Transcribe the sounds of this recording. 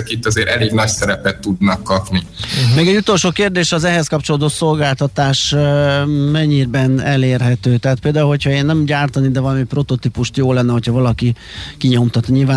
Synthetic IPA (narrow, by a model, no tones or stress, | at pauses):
ɛkit̪ːɒzeːɾʔɛleːɡnɒcsɛɾɛpɛt̪ːud̪nɒkːɒpni | meːɡɛɟut̪o̞lʃoːkeːrd̪eːʃɒzɛɦɛskɒpt͡ʃo̞lod̪ot̪so̞lɡaːlt̪ɒt̪aːʃ | mɛɲːiːrbɛnɛleːrɦɛt̪øːt̪ɛɦaːt̪̚peːld̪aːulɦo̞cʰhɒeːnːɛmɟaːrt̪ɒnid̪ɛvɒlɒmipro̞t̪o̞t̪ipuʃt̪joːlɛnːɛɦochɒvɒlɒki | kiɲo̞mt̪ɒt̪nɲilvaː